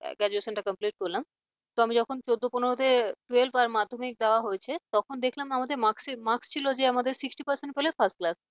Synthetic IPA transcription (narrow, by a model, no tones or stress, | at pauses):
ɡɛd͡ʑueʃənʈakəmpliʈ̚koɾlam | t̪oamid͡ʑɔkʰont͡ɕod̪ːoponoɾod̪eʈelfaɾmad̪ʱːomik̚d̪aoaɦojt͡ɕʰet̪ɔkʰond̪ekʰlamamad̪eɾmaksmakst͡ɕʰilod͡ʑeamad̪eɾsiksʈipəɾseɳʈ̚pelefʰasʈ̚klas